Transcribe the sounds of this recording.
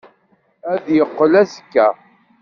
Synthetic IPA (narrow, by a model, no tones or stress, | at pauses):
æðjəqːəlæzəkːæ